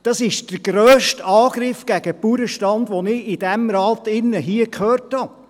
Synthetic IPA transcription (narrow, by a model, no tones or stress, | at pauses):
d̥ɑsɪʃd̥əɾɡ̥ɾøːʃtɑːɡ̥ɾɪfɡ̥æɡəpuɾəʃtɑnd̪ʋɔnɪɪd̥ɛmɾɑːt̪ɪnːəɦiːəkʰhøːrthɑ